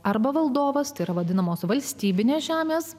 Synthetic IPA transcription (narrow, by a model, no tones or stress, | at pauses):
ɐɾbɐʋɐlˠd̪oːʋɐst̪ɐɪɾɐʋɐd̪ʲɪnɐmoːsʋɐlʲsʲt̪ʲiːbʲɪnʲeːsʒʲæːmʲeːs